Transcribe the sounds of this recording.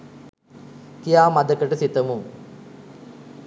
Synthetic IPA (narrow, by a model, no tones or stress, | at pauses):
kijaːmad̪əkəʈəsit̪əmuŋ